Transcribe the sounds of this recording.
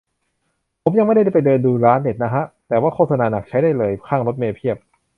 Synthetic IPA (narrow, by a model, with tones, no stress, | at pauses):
pʰo˩˦mja˧ma˥˩jda˥˩da˥˩pa˧jdɤː˧nduː˧ɾaː˦˥nːe˨˩t̪̚na˦˥kʰa˦˥ʔt̪ɛː˨˩waː˥˩kʰoː˥˩t̪sʰa˧naː˧na˨˩k̚t͡ɕʰa˦˥jdaː˥˩jlɤː˧jkʰaː˥˩ŋɾo˦˥t̪̚meː˧pʰi˥˩əp̚